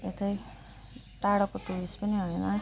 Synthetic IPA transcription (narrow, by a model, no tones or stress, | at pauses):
et̪ʌj | ʈaɽʌkoʈuɽispʌniɦʌjnʌ